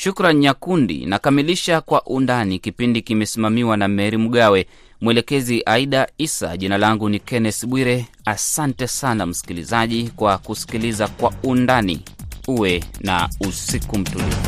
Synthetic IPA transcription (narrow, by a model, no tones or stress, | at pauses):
ʃukɾanjakundḭnakamiliʃakwaʔundanikipindikimɛsimamiwanamɛɾim̩ɠawɛ | mwɛlɛkɛziʔaiɗaisa̰ʄinalaŋɡunikɛnɛsɓwiɾɛ | asantɛsanam̩si̥kilizaʄikwakusi̥kilizakwaundanḭuwɛna̰usikum̩tulḭfu